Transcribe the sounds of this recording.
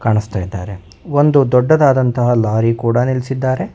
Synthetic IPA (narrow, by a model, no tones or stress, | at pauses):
kaːɳist̪aːjid̪ːa̰ːɾe̞ | ond̪ud̪ɔɖːɐd̪aːd̪ɐnt̪ɐɦɐlaːɾikuːɽɐnilsid̪ːaːɾe̞